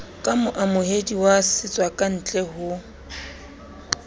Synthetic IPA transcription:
kʼamʊʔamʊhediwasɪt͡sʼwakʼan̩t͡ɬʼɛɦʊ

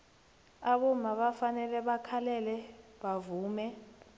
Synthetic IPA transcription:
aɓɔmaɓafanɛlɛɓakʰalɛlɛɓavuːmɛ

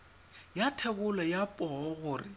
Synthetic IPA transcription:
jatʰɛbʊlɔjapʼɔɣʊːrɪ

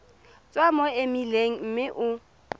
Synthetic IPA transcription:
t͡sʼwamɔɪmileŋ̩m̩mɪʔʊ

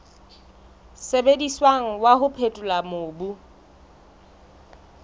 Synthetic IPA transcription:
sebediswaŋ̩waɦʊpʰetʼʊlamoːbu

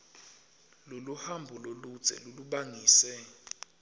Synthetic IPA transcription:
loluhambʱulolu̥z̥ʱɛ̰loluɓaŋiːsɛ

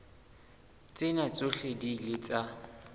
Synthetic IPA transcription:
t͡sʼɪnat͡sʼʊɬedilɪt͡sʼa

